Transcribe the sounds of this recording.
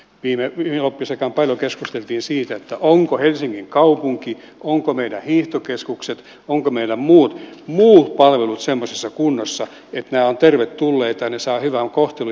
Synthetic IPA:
ʋiːmeʋielopːisekɑmpɑljokeskust̪elt̪iːnsiːt̪æet̪ːæʔoŋkohelsiŋːiŋkɑupuŋki | ʔoŋkomeidæhiːht̪okeskukset̪ | oŋkomeilæmmuːt̪muːt̪pɑlʋelut̪semːosesːɑkunːosːɑ | et̪næːont̪erʋet̪tulːeːt̪ɑnesɑːhyʋæŋkoht̪elu

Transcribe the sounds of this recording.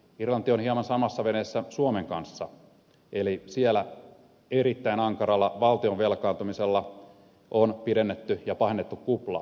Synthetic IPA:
irlɑnt̪ionhiɑmɑnsɑmɑsːɑʋenesːæsuomeŋkɑnsːɑ | elisielæ | eɾit̪ːæinɑŋkɑɾɑlːɑʋɑlt̪ioʋʋelkɑːnt̪umiselːɑ | ʔonpidenːet̪ːyjɑpɑhenːet̪ːukkuplɑ̰ː

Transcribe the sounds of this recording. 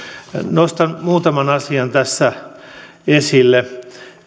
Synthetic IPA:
nost̪ɑnmuːt̪ɑmɑnɑsiɑnt̪æsːæ | esilːe

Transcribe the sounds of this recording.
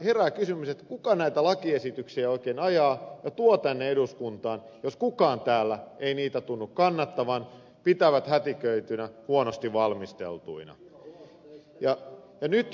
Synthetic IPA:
herækysymyset̪kukɑnæit̪ælɑkiesit̪yksiæoikeːnɑjɑːjɑt̪uot̪ænːeeduskunt̪ɑːn | joskukɑːnt̪æːlːæeiniːt̪æt̪unːukkɑnːɑt̪ːɑʋɑn | pit̪æʋæt̪hæt̪ikøyt̪ynæhuonost̪iʋʋɑlmist̪ḛlt̪uinɑ̰ | jɑjɑnyt̪

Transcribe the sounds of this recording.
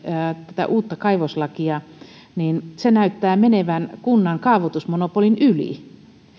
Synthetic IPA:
t̪æt̪æ̰ʔuːt̪ːɑkɑiʋoslɑkiɑ | niːnsenæyt̪ːæːmeneʋænkunːɑŋkɑːʋot̪usmonopolinylḭ

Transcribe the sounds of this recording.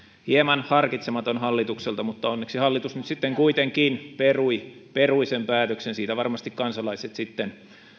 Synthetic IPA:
hiemɑnhɑrkit̪semɑt̪onhɑlːit̪ukselt̪ɑmut̪ːɑonːeksihɑlːit̪usnyt̪sit̪ːeŋkuit̪eŋkiːnperuiperuisempæːt̪øksensiːt̪æʋɑrmɑst̪ikkɑnsɑlɑiset̪sit̪ːen

